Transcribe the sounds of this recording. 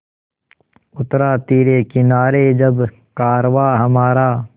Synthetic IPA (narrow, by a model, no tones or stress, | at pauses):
ʊt̪ɾaːt̪iːɾeːkɪnaːɾeːd͡ʒɐb | kaːɾʋaːɦəmaːɾaː